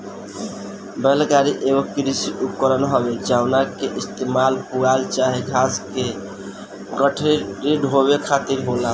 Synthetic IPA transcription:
bəlɡaɾiʔeɡokɾisiukəɾənɦɔbed͡ʒaʊnakeʔist̪emalpualt͡ʃaɦeɡʱaske | ɡəʈʰiɾiɖɦoβekʰat̪iɾɦola

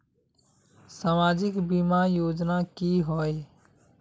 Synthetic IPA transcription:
saːmaːd͡ʒɪkbimajoːd͡ʒnakiɦoe

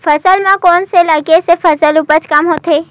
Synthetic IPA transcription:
fəsəlmãkɔnselaɡjesefəsəlupət͡ʃʰkamɦot̪ʰe

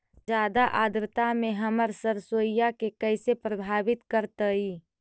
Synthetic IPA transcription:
d͡ʒjaːd̪aʔaːd̪ɾɪt̪amẽɦəməɾsəɾsoːjjakekəɪsepɾəbʱaːbɪt̪kəɾt̪əi

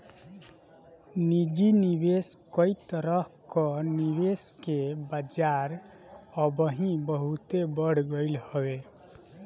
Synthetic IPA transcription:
nid͡ʒinibeskɔjt̪ɾɔɦkɔniβeskebad͡ʒaɾ | əbəɦĩbəɦut̪ebəɽ̤ɡəjlhɔwe

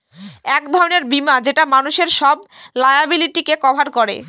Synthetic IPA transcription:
ɛkd̪ʱɔɾoneɾbimad͡ʑeʈamanuʃeɾʃɔblajabiliʈikekɔbʱaɾkoɾḛ

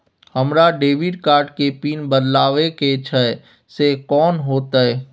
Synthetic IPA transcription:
hɐmɾaɖeːʋɪɖkaːɾʈkepiːnbəd̪laːʋeket͡ʃʰɛ | sekɔːnɦoːt̪aɦɛː

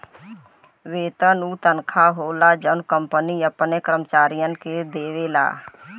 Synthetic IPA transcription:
ʋeːt̪ənuːt̪ənkʰaːɦoːlad͡ʒənkəmpəniəpnekɾəmt͡ʃaːɾɪjənked̪eːʋeːla̰ː

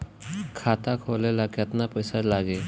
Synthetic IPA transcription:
kʰat̪akʰolelakət̪napəjsalaɡe

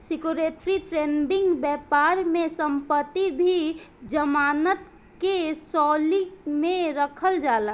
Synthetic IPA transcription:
sɪkuɾeːʈɾitʰɾeːnɖɪ̃ŋɡbɛːpaːɾmẽsə̃mpət̪ːibʱi | d͡ʒəmaːnət̪ | kesɔːlimẽɾəkʰəld͡ʒaːla

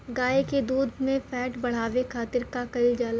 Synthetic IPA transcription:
ɡaːeked̪uːd̪ʱmẽfɛːʈbɐɽ̤aːʋekʰaːt̪ɪɾkakɐid͡ʒaːla

